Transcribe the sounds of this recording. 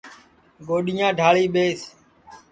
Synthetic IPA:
ɡoːɗɪjãːɖʱaːɭiːɓeːs

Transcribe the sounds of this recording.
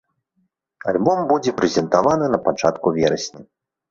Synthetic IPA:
a̰lʲbɔmbud͡zʲɛpɾɛzʲɛnt̪avanɨnɐpat͡ʂa̰t̪kuvʲɛɾɐsʲnʲi

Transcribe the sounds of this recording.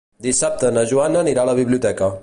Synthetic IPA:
d̪isap̚t̪ənəʒuanəniɾaləβiβliut̪ɛkə

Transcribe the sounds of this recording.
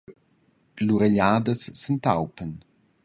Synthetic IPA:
luɾeʎaːdəsːəntawpən

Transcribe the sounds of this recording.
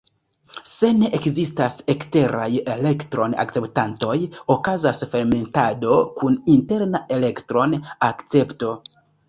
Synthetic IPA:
se̞ne̞ʔekzistase̞kste̞ɾa̰jele̞ktɾo̞na̰k̚t͡se̞ptanto̞jokazasfe̞ɾme̞ntado̞kuninte̞ɾnaʔe̞le̞ktɾo̞nakt͡se̞pto̞

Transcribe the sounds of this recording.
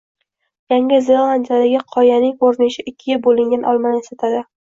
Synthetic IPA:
jaŋʲɪzelˠand̪ijad̪aɡʲɪqʰɒjanɪŋoɾnɪʃɪʔɪkʲʰːɪɡabolɪŋd̪anʔɒlˠmanesat̪ʰad̪ɪ

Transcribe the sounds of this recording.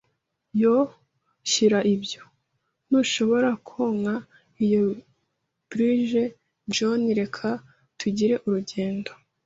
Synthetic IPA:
jo | çiɾaʔibjo̞ | nuʃo̞βo̞ɾakʰoŋha | ijo | b̥ɾiʒe | d͡ʒoniɾe̞kʰa | tʰuɟiɾe̞ʔuɾuɟe̞ːndo̞

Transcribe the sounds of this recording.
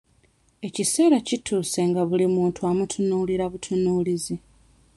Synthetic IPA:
e̞cise̞ːɾacituːse̞ŋɡaβulimuːntʰuamutʰunuːliɾaβutʰunuːlizi

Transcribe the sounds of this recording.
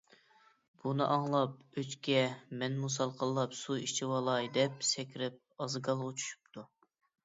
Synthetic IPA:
b̥unɨʔɑŋlˠɑp̚øt͡ʃkʲɛmɛnmus̬ɑlˠqʰəlˠːɑpsuit͡ʃʰiwɑlˠɑjd̪ɛp̚sɛkʲɾɪp̚ɑzɨɡɑlˠʁʊt͡ʃʰy̥ʃy̥pt̪ʰu

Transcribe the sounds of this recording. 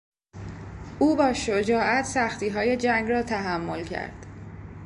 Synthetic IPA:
ʔuːbɒːʃod͡ʒɒːʔæt̪ʰsæxt̪iːɦɒːje̞d͡ʒæŋɡrɒːt̪ʰæɦæmːo̞lcʰæ̰ɾd̪̥

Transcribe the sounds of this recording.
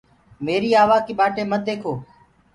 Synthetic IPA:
meːɾiːaːʋaːkiːɓaːʈeːmət̪̚d̪eːkʰoː

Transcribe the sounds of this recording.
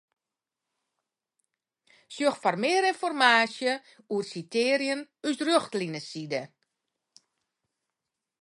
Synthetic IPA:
sjøxfɔrmɪəɾɪnfɔrmaːsjə | uərsiteːɾjənysrøxtlinəsidə

